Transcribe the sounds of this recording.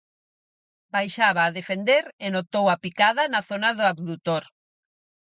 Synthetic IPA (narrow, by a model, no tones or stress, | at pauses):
bajʃaβaːðefend̪eɾenot̪owapikaðanaθonaðʊaβðut̪oɾ